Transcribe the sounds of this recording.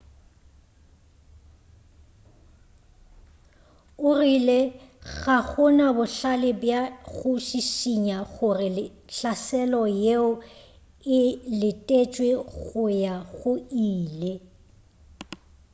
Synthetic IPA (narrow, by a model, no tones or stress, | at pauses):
ʊrileɣaɣʊnabʊɬalɪbjaɣʊʃiʃiɲaɣʊrɪlɪ | ɬasɛlɔjeʊ | ɪlɪtʼet͡ʃʼweɣʊjaɣʊiːle